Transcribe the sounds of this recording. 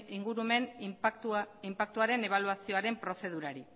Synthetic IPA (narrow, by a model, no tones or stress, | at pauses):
iŋɡuɾume̞nt̪impak̚t̪uaɾe̞ne̞β̞aluasio̞aɾe̞mpɾo̞se̞ð̞uɾaɾi